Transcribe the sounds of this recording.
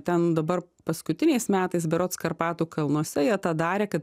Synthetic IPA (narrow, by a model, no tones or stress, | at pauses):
t̪ʲɛnd̪ɐbɐr | pɐskʊt̪ʲɪnʲɛɪsmʲæːt̪ɐɪsbʲɛɾoːt̪skɐrpɑːt̪uːkɐlˠnuɔsʲɛjiɛt̪ɑːd̪ɑːɾʲeːkɐt̪̚